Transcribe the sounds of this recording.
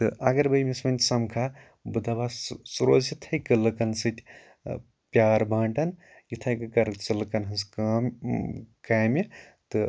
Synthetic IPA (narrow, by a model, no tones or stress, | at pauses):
t̪ɨʔɐɡɐɾbɐjmesmɐnʲt̪ʲsɐmkʰa | bɨd̪abasuɾoːzit̪ʰɐjkɨlɨkɐnsɨt̪ʲʰ | pjaːɾbãːɳʈɐn | jit̪ʰɐjkɨkɐɾt͡sɐlkɐnɦɐskam | kaːmi | t̪ɨ